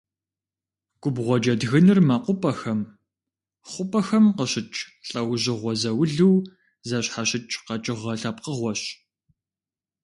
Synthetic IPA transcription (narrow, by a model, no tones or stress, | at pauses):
ɡ̥ʷʊbʁʷɔd͡ʒɐdɣɨnɨrmɐqʷʊpʼɐxɐm | χʷʊpʼɐxɐmqəɕɪt͡ʃʼɬʼɐwʑɪʁʷɔzɐwʊɮɨw | zɐɕħaɕɪt͡ʃʼqɐt͡ʃʼɪʁɐɬɐp̚qəʁʷɔɕ